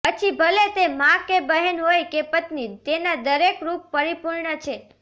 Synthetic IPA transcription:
pət͡ʃʰibʱəlet̪emãkːebəɦənɦojkepət̪nit̪enad̪əɾekɾupːəɾipuɾɳət͡ʃʰe

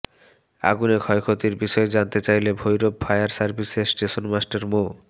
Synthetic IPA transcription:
a̰ɡunekʰɔjkʰot̪iɾbiʃɔed͡ʑant̪et͡ɕajlebʱojɾobfʰajaɾsaɾbʱisesʈeʃonmasʈaɾmo

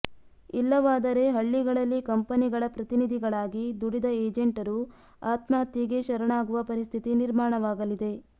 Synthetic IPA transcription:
ilːɐʋaːd̪ɐɾe̞ɦɐɭːiɡɐɭɐlːikɐmpɐniɡɐɭɐpɾɐt̪inid̪ʱiɡɐɭaːɡid̪uɽid̪ɐeːd͡ʒeɳʈɐɾu | aːt̪mɐɦɐt̪ːjiɡe̞ʃɐɾɐɳaːɡuʋɐpɐɾist̪ʰit̪iniɾmaːɳɐʋaːɡɐlid̪e̞

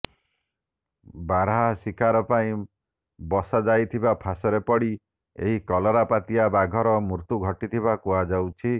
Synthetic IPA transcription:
baɾɦɦasikʰaɾɔpaĩ | bɔsad͡ʒajt̪ʰibapʰasɔɾepɔɽi | ḛɦikɔlɔɾapat̪iabaɡʱɔɾɔmuɾt̪uɡʱɔʈit̪ʰiβakuad͡ʒawt͡ʃʰi

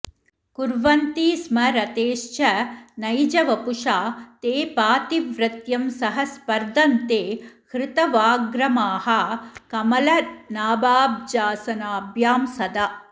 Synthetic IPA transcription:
kuɾʋɐnt̪iːsmɐɾɐt̪eːʃt͡ʃɐnɐjd͡ʒɐʋɐpuʃaːt̪eːpaːt̪iʋɾɪt̪jɐmsɐɦɐspɐɾd̪ɐnt̪eːkɾɪt̪ɐʋaːɡɾɐmaːɦɐkɐmɐlɐnaːbaːb̚d͡ʒaːsɐnaːbʱjaːmsɐd̪ɐ

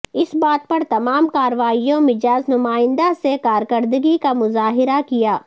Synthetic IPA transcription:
ɪsbaːt̪̚pɐɾt̪ɐmaːmkaːɾʋaːijõmɪd͡ʒaːznʊmaːɪ̃nd̪asekaːɾkəɾd̪əɡikamʊzaːɦɪɾakijaː

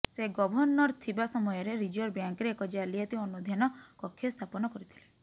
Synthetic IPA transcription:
seɡɔbʱɔnːɔɾt̪ʰibasɔmɔjɔɾeɾid͡ʒuɔɾbjaŋkɾeekɔd͡ʒealiat̪iɔnud̪ʱjanɔkɔkʰːest̪ʰapɔnɔkɔɾit̪ʰi̥le

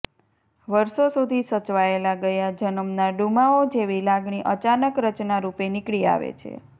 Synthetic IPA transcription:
ʋəɾʃosud̪ʱisət͡ʃʋaelaɡəjad͡ʒənəmnaɖumaod͡ʒeʋilaɡɳ̃iʔət͡ʃanəkɾət͡ʃnaɾupenɪkɭia̰ʋḛt͡ʃʰḛ

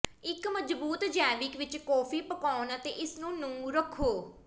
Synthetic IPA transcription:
ɪkməd͡ʒbuːt̪d͡ʒɛːʋɪkʋɪt͡ʃkɔːpʰiːpəkɔːnət̪ḛːʔɪsnũːnũːɾəkʰːoː

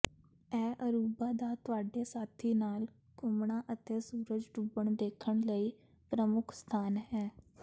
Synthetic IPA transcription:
ɛːʔəɾuːbaːd̪aːt̪ʊaːɖeːsaːt̪ʰiːnaːl | kʊmɳaːʔət̪eːsuːɾəd͡ʒɖubəɳd̪eːkʰəɳləiː | pɾəmʊkʰst̪ʰaːnɦɛː

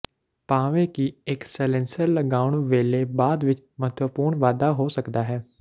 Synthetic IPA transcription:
paːʋẽːkiɛksɛlɛ̃ːnsəɾləɡaːʊɳʋeːleːbaːd̪ʋɪt͡ʃ | mət̪ʋəpuːɾɳʋaːd̪aːɦoːsəkd̪aːɦɛː

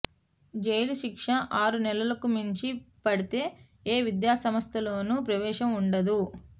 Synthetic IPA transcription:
d͡ʒejluʃikʂɐʔaːɾunɛlɐlɐkumiɲt͡ʃipɐɽit̪e̞ː | eːʋid̪jaːsɐmɐst̪ʰɐloːnuːpɾɐʋɛːʂɐmuɳɖɐd̪u

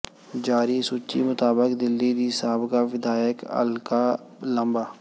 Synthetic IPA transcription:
d͡ʒaːɾisʊt͡ʃimʊt̪aːbəkd̪ɪlːid̪isaːɦbkaʋɪd̪aːjəkɐ̰lka | lɐ̃mbaː

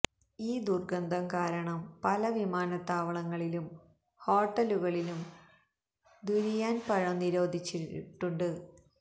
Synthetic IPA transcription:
iːd̪urɡɐnd̪ʱɐmkaːɾɐɳɐmpɐlɐʋimaːnɐt̪ːaːʋɐɭɐŋːɐɭilum | ho̞ːʈːɐluɣɐɭilum | d̪uɾijaːnpɐɻɐmniɾo̞ːd̪ʱit͡ɕːiʈːuɳɖɨ

